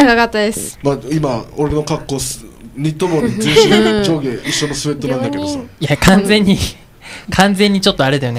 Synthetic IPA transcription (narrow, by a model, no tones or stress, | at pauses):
aɡakat̪ːad̪esɨ̥maimaoɾe̞no̞kakːo̞sɲit̪omoɲʲit͡sɨ̃ːɕɨd͡ʑoːɡeiɕːo̞nosɨβe̞t̪ːo̞ãnd̪ake̞d̪osaijakʰãnd͡zẽ̞ɲ̟ːi | kʰãnd͡zẽ̞ɲ̟ːit͡ɕo̞t̪ːo̞aɾed̪ajo̞ne